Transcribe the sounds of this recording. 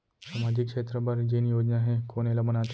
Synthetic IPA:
samad͡ʑikʂet̪ɾəbəɾd͡ʑenjod͡ʑnaɦekoɽ̃elamənat̪

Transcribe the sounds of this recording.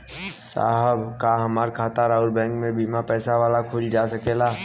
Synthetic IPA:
sa̰ːɦəbkaɦɐmaːɾkʰaːt̪aːɾaːʊlbɛ̃ːŋkmẽbimapɛːsaʋaːlakʰʊd͡ʒd͡ʒaːsɐkeːlaː

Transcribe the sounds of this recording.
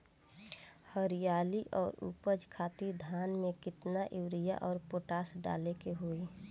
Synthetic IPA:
həɾijaːliʔɔːɾṵpəd͡ʒkʰaːt̪id̪ʱaːnmẽkɪt̪naʔɪwɾija̰ʔɔːɾpoːʈaːsɖa̰ːlekeɦoːi

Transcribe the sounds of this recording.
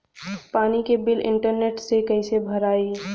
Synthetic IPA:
paːnikebɪlɪ̰̃ɳʈəɾneːʈsekəɪsebʱəɾaːi

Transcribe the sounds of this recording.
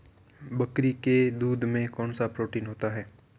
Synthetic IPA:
bɐkɾiked̪uːd̪mẽkɔːnsapɾoːʈiːnɦoːt̪aɦɛː

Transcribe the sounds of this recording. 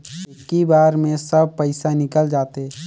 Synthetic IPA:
ekːibaːɾmẽsəb̚ʱpəɪsanɪkəld͡ʒaːt̪eɛ

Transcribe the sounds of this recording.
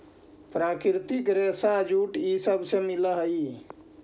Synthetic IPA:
pɾakɾt̪ikɾesad͡ʒuʈisəbsẽmiləɦəi

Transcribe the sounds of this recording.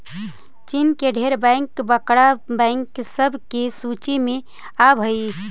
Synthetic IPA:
t͡ʃinkeɖʱeɾbɛ̃ŋkbəkɽabɛ̃ɪŋksəbʱkesut͡ʃimẽ | abʱəi

